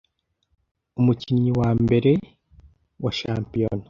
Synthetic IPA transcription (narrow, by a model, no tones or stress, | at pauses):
umuciɲɲiwaːmbe̞ɾe̞ | waʃaːmpijono